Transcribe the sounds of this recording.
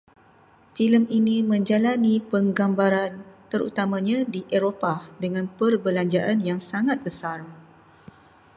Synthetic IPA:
filəminĩmə̃ɲd͡ʒalanĩpəŋɡambaɾant̪əɾṵt̪amãɲãdiʔeɾopadəŋãnpərbəlaɲd͡ʒaʔanjaŋsaŋat̪̚bəsar

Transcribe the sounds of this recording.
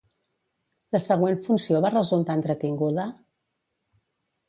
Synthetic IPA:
ləsəɣ̞weɱfunsioβarəzulˠt̪aənt̪ɾət̪iŋɡuðə

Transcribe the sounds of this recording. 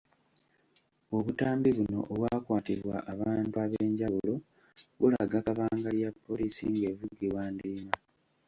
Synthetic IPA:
o̞βutaːmbiβuno̞̰ʔoβwaːkwaːtiβwa̰ʔaβaːntuaβeːɲɟaβulo̞ | βula̰ɡakaβaːŋɡaljapːo̞liːsḭŋɡe̞ːvuɡiwaːndiːma

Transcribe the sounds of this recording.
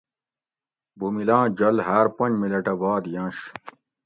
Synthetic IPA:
bumilãːd͡ʑɐlɦaːɾpɐnd͡ʑmilɐʈɐbaːd̪jãːɕ

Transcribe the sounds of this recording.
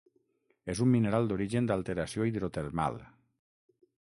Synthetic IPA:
ezumːineɾalˠd̪oɾiʒend̪alˠt̪eɾasioiðɾot̪eɾma̰lˠ

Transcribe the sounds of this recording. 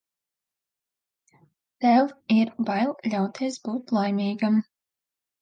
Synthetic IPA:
t̪ɛlˠiɾbajlˠlʲawt̪ʰeɛsbuːt̪lˠajmʲiːɡam

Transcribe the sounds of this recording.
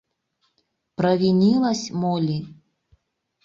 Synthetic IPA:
pɾɐvʲinʲilˠɐsʲmolʲi

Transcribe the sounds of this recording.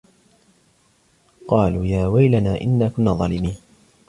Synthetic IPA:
qɑːluːjaːwajlanaːʔɪ̰nːaːkʊnːaːðˤɑːlɪmiːn

